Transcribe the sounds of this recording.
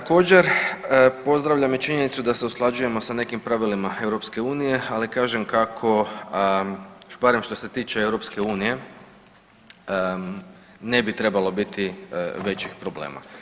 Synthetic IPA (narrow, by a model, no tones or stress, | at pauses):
t̪ako̞ːd͡ʑe̞ɾ | po̞zd̪ɾaʋʎamit͡ʃiɲe̞nit̪sud̪aseusklˠad͡ʒuje̞mo̞sane̞kimpɾaʋilimae̞wɾo̞pske̞uːnije̞alikaːʒemkakʰo̞ | baɾe̞mʃt̪o̞se̞t̪iːt͡ʃeewɾo̞pske̞uːnije̞ | ne̞bit̪ɾe̞balo̞bit̪iʋe̞t͡ɕixpɾo̞blḛːmʔa̰